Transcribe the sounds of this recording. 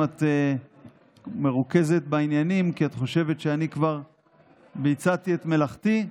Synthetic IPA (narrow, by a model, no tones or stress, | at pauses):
at̪e | meʁuke̞ze̞t̪̚bainjanimkiat̪χo̞ʃe̞ve̞tʃeanikvaʁ | bijt͡sat̪iet̪me̞laχti